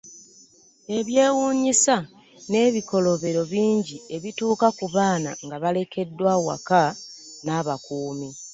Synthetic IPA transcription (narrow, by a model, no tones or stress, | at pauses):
e̞βje̞ːwuːɲisa | ne̞ːβiko̞lo̞βe̞ɾo̞βiːɲɟie̞βituːkakuβaːna̰ŋɡaβale̞ke̞dːwawa̰kanaβakuːmi